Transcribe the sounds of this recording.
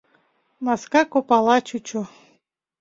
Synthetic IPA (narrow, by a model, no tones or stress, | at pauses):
maskakopalˠɑt͡ɕut͡ɕo